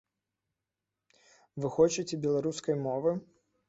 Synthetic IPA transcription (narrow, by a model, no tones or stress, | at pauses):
vɨxɔt͡ʃɐt͡sʲɛbʲɛlˠaɾuskɐjmɔvɨ